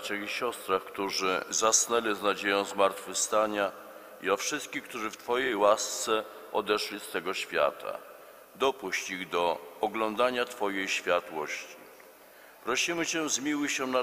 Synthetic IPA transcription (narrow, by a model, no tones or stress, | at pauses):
t͡ɕaɣiɕɔst̪ɾaxkt̪uʐɘ̰zasnɛlʲiznad͡ʑejɔ̃w̃zmaɾt̪fɘfst̪aɲa | iɔfʂɘst̪̚kʲixk̚t̪uʐɘft̪fɔjejwast̪sɛ | ɔd̪ɛʂlʲist̪ɛɡɔɕfʲja̰t̪a̰ | d̪ɔpuɕt͡ɕiɣd̪ɔɔɡlɔnd̪aɲat̪fɔjejɕfʲjat̪wɔɕt͡ɕi | pɾɔɕimɘt͡ɕɛ̃zmʲiwɘɕɛna